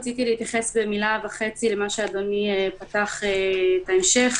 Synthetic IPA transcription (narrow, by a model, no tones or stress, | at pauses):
t͡sit̪ileit̪jaχesbe̞milavaχe̞t͡sile̞maʃead̪oniepataχetaemʃe̞χ